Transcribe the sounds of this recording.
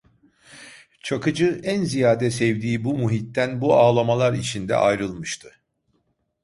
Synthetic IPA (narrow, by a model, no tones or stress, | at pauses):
t͡ʃʰakɯd͡ʒɯænzijaːd̪ɛsɛvd̪iːbumuɦit̪ːænbuaːlˠamalˠaɾit͡ʃʰind̪ɛ̰ʔajɾɯlˠmɯʃt̪ʰɯ